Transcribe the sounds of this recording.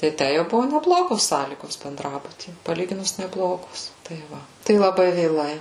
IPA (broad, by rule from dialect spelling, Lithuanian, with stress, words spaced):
tɐɪ ˈtʲæ jɛʊ ˈbʊʋoː nʲɛˈblˠoːɡoːs ˈsɑːlʲiːɡoːs bʲɛnˈdrɑːbʊtʲiː pɐˈlʲiːɡʲɪnʊs nʲɛˈblˠoːɡoːs tɐɪ ˈʋɐ tɐɪ lˠɐˈbɐɪ ʋʲeːˈlˠɐɪ